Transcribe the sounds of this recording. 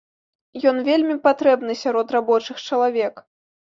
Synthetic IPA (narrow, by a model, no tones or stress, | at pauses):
jɔn̪vʲelʲmʲipat̪ɾɛbnɨsʲaɾɔt̪rabɔt͡ʂɨxt͡ʂɐlˠavʲɛk